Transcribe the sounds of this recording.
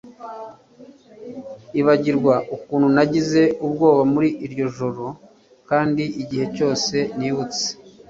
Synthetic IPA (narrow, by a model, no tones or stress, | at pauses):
iβaɟiɾɡwaʔukuːnhunaɟize̞ʔubɡo̞ːβamuɾiʔːɾɟo̞ʒo̞ɾo̞ | kaːndiiɟihe̞co̞ːse̞niːβut͡se̥